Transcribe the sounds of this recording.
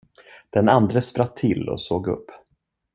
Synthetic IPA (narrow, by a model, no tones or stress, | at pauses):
d̪̥ɛnand̪ɾəspɾat̪ʰːɪlːɔ̰soːɡɵ̰pː